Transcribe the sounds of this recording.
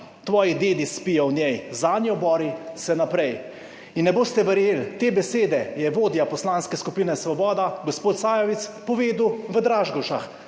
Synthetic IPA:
t̪ʋɔːjid̪eːd̪ispijɔwnʲjɛjzaːd̪njiɔbɔːɾisɛnapɾɛj | inːɛboːst̪ɛʋɛɾjelt̪eːbɛseːd̪ɛjɛʋoːd̪japɔslaːnskɛskupiːnɛsʋɔbɔːd̪aɡɔspoːt̪saːjɔʋit̪spɔʋeːd̪wʋəd̪ɾaːʒɡɔʃax

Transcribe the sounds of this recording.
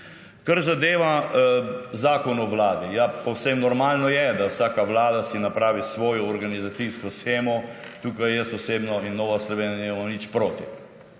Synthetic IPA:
kaɾzad̪eːʋa | zaːkɔnɔʋlaːd̪ijapɔwsemnɔɾmaːlnɔjɛd̪awsaːkaʋlaːd̪asinapɾaːʋisʋɔːjɔːɾɡanizat̪siskɔsxeːmɔ | t̪uːkajːɛsɔseːbnɔinːoːʋaslɔʋeːnjanimamanit͡ʃpɾoːt̪i

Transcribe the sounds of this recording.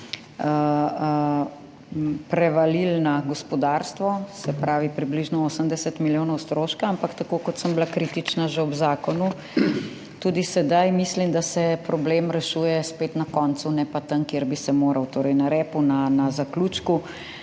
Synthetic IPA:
ə | pɾɛʋalilnaɡɔspɔd̪aːɾst̪ʋɔsɛpɾaːʋipɾibliʒnɔoːsəmd̪ɛsɛt̪miljoːnɔwst̪ɾoːʃkaampakt̪akoːkɔt̪səmblakɾit̪it͡ʃnaʒɛɔbzaːkɔnu | t̪uːd̪isɛd̪ajmislimd̪asɛpɾɔbleːmɾɛʃuːjɛspet̪nakɔːnt̪sunɛpat̪aŋkjeɾbisɛmoːɾɐwt̪oːɾɛjnaɾɛːpunanazakluːt͡ʃku

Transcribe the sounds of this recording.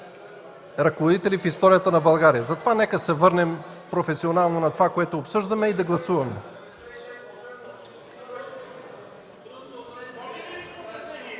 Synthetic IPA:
ɾɐkovod̪it̪ɛlifist̪ɔɾijət̪ənɐbɐlˠɡaɾijəzɐt̪ovanɛkəsɛvɤɾnɛmpɾofɛsionalˠnonɐt̪ovakoɛt̪oːpsɤʒd̪ɐmɛid̪ɐɡlˠɐsuvɐmɛ

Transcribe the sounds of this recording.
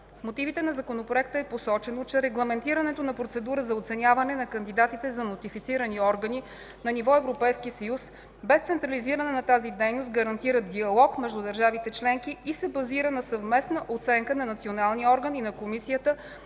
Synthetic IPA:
fmot̪ivit̪ɛnɐzɐkonopɾoɛk̚t̪əɛposɔt͡ʃɛnot͡ʃɛɾɛɡlˠɐmɛnt̪iɾənɛt̪onɐpɾot̪sɛd̪uɾəzɐot̪sɛnʲjavɐnɛnɐkɐnd̪id̪at̪it̪ɛzɐnot̪ifit̪siɾəniɔɾɡəni | nɐnivɔɛvɾopɛjskisɐjus | bɛst̪sɛnt̪ɾɐliziɾənɛnɐt̪azid̪ɛjnost̪ɡəɾɐnt̪iɾət̪̚d̪iɐlˠɔkmɛʒd̪ud̪ɐɾʒavit̪ɛt͡ʃlɛŋkiːsɛbɐziɾənɐsɐvmɛsnəʔot̪sɛŋkənɐnɐt̪sionalˠniɔɾɡəninɐkomisijət̪ə

